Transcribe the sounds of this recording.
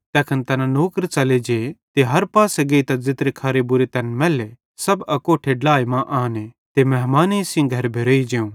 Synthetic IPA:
t̪ɛːkʰɐnt̪ɐnãnoːkəɾt͡ʃɐled͡ʒeːt̪eɦɐɾpaːseɡeːit̪ɐd͡zɪt̪ɾekʰɐɾebʊɾet̪ɛnmɛːle | sɐbɐkoːʈʰeɖlaːemãʔaːne | t̪emɛɦmaːneisɪ̃ɡʱɐɾbʱeɾoːid͡ʒeũː

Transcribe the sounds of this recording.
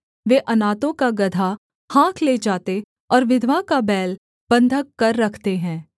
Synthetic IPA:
ʋeːʔɐnaːt̪õkaɡɐd̪ʱa | hãːkʰleːd͡ʒaːt̪e | ɔːɾʋɪd̪ʱʋakabɛːl | b̥ɐ̃nd̪ʱəkːɐɾːɐkʰt̪eɦɛ̃ː

